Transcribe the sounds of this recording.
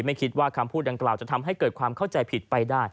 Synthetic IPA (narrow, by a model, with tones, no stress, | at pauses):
ma˥˩jkʰi˦˥t̪̚waː˥˩kʰa˧mpʰuː˥˩t̪̚da˧ŋklaː˨˩wt͡ɕa˨˩t̪ʰa˧mɦa˥˩jkɤː˨˩t̪̚kʰwaː˧mkʰa˥˩wt͡ɕa˧jpʰi˨˩t̪̚pa˧jdaː˥˩j